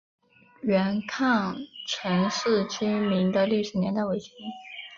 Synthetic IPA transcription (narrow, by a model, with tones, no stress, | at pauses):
ɥɛ˧˥nkʰɑ˥˩ŋʈ͡ʂʰɤ˧˥ŋʂɻ̩˥˩t͡ɕy˥mi˧˥ŋd̪ə˧ly˥˩ʂɻ̩˨˧˥njɛ˧˥nt̪a˥˩ɪwe˧˥ɪɕɛ˥nn